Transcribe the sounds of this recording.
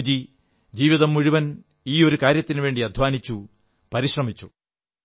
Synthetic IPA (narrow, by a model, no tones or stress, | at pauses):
d͡ʑi | d͡ʑiːʋiðɐmːuɻiʋɐn | iːo̞ɾukaːɾjɐt̪ːinɨʋe̞ːɳɖiɐd̪ʱʋaːnit͡ɕːu | pɐɾiɕrɐmit͡ɕːu